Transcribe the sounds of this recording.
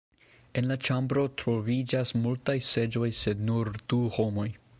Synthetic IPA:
e̞nlat͡ʃambɾo̞tɾo̞vid͡ʒasmultajse̞d͡ʒo̞jse̞dnuɾd̥uho̞mo̞j

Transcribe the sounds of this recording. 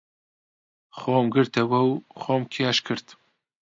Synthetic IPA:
xoːmɡɨɾt̪ʰɐwɐwxoːmkʰeaʃkʰɨɾt̪

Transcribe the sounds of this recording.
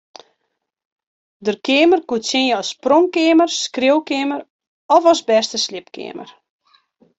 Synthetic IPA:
dərkɪːmərkutsɪnəɔsːproŋkɪːmərskrɪəwkɪːmər | ɔfɔsbɛstəslɪpkɪ̰əmə̰r

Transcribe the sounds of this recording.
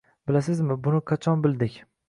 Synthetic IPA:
bɪlasɪzmɪbʊnɪqʰɑt͡ʃʰɒnbɪld̪ɪkʲ

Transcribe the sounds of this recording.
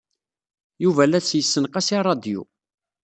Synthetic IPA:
juvælæsjəsːənqæsirˤːɑd̪jṵ

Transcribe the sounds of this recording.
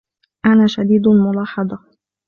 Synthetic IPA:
ʔanaːʃad̪iːd̪lmʊlɑːħɑd̪ˤɑ

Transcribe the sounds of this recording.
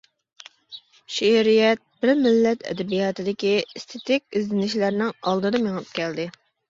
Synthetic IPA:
ʃeɾijɛt̪̚b̥ɪɾmɪlːɛt̪ʰɛ̰d̪ɛbijɑːt̪ɨd̪ɪkʲist̪ʰet̪ɪkʲizlɪnɪʃlæɾnɪŋɑlˠd̪ɨd̪ɑmeŋɨp̚kʲʰɛld̪ɪ

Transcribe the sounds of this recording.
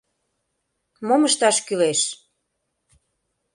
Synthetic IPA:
moməʃt̪ɑʃkyleʃ

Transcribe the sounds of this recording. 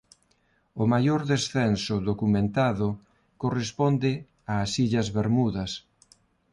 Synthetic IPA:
ʊmajoɾðesθɛnsʊðokumẽnt̪aðʊ | korespond̪ɪ | aːsiʎɐzβeɾmuðɐs

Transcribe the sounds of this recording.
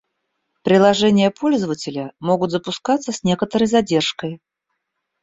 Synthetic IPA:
pɾʲɪlˠɐʐɛnʲɪjəpʰo̞lʲzəvətʲɪlʲəmo̞ɡʊt̪zəpʊskat̪səsʲnʲe̞kət̪əɾəjzɐdʲe̞rʂkəj

